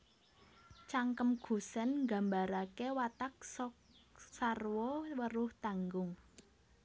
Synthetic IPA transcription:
t͡ʃaŋkəmɡ̥ṳsɛnɡa̤mbaɾakewat̪ak̚sɔk | sarwɔwəɾʊht̪aŋɡʊŋ

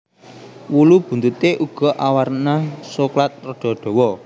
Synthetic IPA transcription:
wulub̥ṳnt̪ut̪eʔuɡ̥ɔ̤ʔawaɾnasoklat̪̚rɔɖ̥ɔ̤ɖ̪̥ɔ̤wɔ

